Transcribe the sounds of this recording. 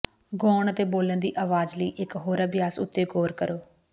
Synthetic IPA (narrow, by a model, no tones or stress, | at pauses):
ɡɔːɳət̪eːboːlənd̪iːʔaːʋaːzləiːʔɪkɦoːɾəbɪjaːsʊ̰t̪ːeːɡoːɾkəɾoː